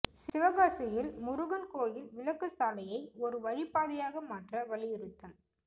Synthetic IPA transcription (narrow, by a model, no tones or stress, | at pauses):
sɪʋɐɣaːsɐjɪlmʊɾʊɣɐnkoːjɪlʋɪlɐkːɯsaːlɐjɐɪɔɾɯʋɐɻɪpːaːðɪjaːɣɐmaːʈrɐʋɐɭɪjɪɾɯt̪ːɐl